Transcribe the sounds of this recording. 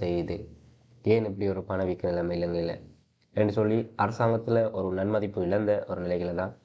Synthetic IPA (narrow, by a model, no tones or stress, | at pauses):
sɛjːɐðɯ | eːnɛp̬ːɐɽiɔɾɯpɐnɐʋikːɐnɪlːɐmɐɪlːɐŋɡɐɪlːɐ̰ | ɛnrɯsɔlːiʔɐɾɐsaːŋɡɐt̪ːɪlɐʔɔɾɯnɐnmɐðɪpːɯɪlɐnd̪ɐʔɔɾɯnɪlɐɪɣɪlɐðãː